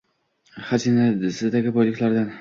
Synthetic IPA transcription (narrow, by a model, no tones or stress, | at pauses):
had͡ʒinad̪ɪsɪzd̪aɡʲɪbɒjlɪkʲlaɾd̪an